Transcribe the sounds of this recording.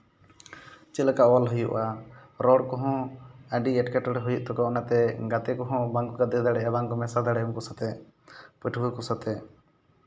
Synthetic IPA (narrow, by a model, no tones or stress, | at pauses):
t͡ʃɛlakaʔɔwalɦujuʔaɾɔɽkɔɦɔ̃aɖiɛʈkaʈɔɾɦujuʔt̪ɔkɔɔnat̪ɛɡat̪ɛkɔɦɔ̃baŋkɔkad̪ɛd̪aɽɛʔɛbaŋkɔmɛsad̪aɽɛɔmkɔsat̪ɛ | pɛʈʰbukɔsat̪ɛ